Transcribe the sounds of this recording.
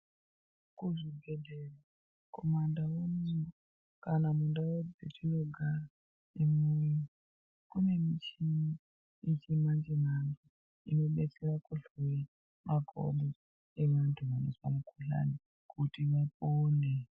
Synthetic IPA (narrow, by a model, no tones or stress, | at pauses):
kuʐibʱedʱera | komandawumuo | kanamundawod͡zet͡ʃino̞ɡʱara | imuji | kune̞mit͡ʃini | it͡ʃimand͡ʒenantu | ino̞ɓet͡serakuɮe | mʔaɡʱo̰ɓo | eʋantʰuʋano̰swamukʰuɬa̰ni | kʰutiʋapone